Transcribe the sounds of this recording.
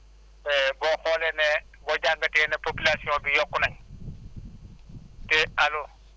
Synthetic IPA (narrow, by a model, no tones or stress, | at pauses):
ɛbɔk͡xʰɔlɛnɛ | bɔd͡ʒaŋɡatʼɪɛnɛpʰopilasiɔbijɔkʊnɛŋ̩ | tʼɪalʊ